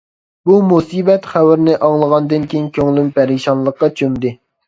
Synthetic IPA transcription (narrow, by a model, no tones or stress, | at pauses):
bumusibɛt̪χæwɪɾnɪʔɑŋlˠəʁɑnd̪ɨnkʲejiŋkʲʰøŋlympæɾiʃɑnlˠəqːɑt͡ʃʰømd̪ɪ